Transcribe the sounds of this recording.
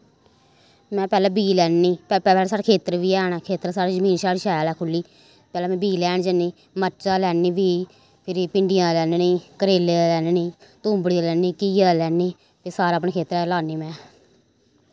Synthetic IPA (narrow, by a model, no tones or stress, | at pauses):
mɛ̃ːpɛːlɛ̃ːbiːlɛːnːiːpɛpɛːɛːlɛsaːɾeːkʰeːt̪əɾʋiːɛːɳaːkʰeːt̪ɾsaːɾeːd͡ʒəmĩːnʃaːɾiʃaːaːlɛːkʰʊlːiː | pɛːlɛːmɛ̃ːbiːlɛːɳd͡ʒəniː | mət͡ʃaːlɛːniːʋiː | pʰɪɾipɪɳɖɪjãːlɛːnniːkəɾeːlelɛːnniːt̪uːmbəɽiaːlɛːniːkilɛːnːiː | pesaːɾaːpɳeːkʰeːt̪əɾɛːlaːniːmɛ̃ː